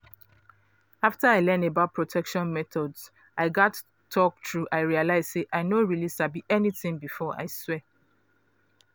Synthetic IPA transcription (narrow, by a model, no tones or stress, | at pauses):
aftəaɪlɜ̃nebaʊt̚pʰɹotʰɛkʃɔ̃nmɛθɔdz̥ | aɪɡɔtʰː | ɔk̚tɹuʔaɪɹialaɪz̥seʔaɪnoɹilisabiʔɛniθɪ̃ŋbifɔa̰ɪswɛ